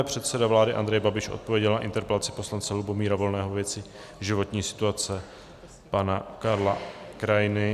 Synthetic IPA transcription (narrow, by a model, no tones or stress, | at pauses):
ɛpr̥ɛt̪sɛdavlaːdɪʔand̪ɾɛjbabɪʃʔo̞̰t̪̚povjɛɟɛlnaʔɪ̰nt̪ɛɾpɛlat͡sɪpo̞slant͡sɛlubo̞miːɾavo̞lnɛːɦovjɛt͡sɪ | ʒɪvo̞t̪ɲiːsɪ̥t̪uat͡sɛ | panakaɾlakɾajɪnɪ